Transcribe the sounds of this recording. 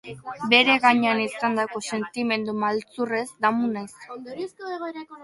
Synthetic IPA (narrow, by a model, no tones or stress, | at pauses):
be̞ɾe̞ɣaɲeanisand̪ako̞se̞nt̪ime̞nd̪umalt͡sure̞zd̪amunajss